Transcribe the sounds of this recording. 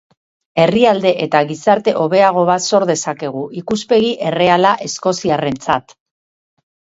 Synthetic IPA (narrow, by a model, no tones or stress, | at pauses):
e̞riald̪e̞ʔe̞t̪aɣisaɾt̪e̞ʔo̞βe̞aɣ̞o̞βaso̞ɾðe̞sake̞ɣ̞uʔikuspe̞ɣiʔe̞re̞alaʔe̞sko̞siare̞nt͡sa̰t̪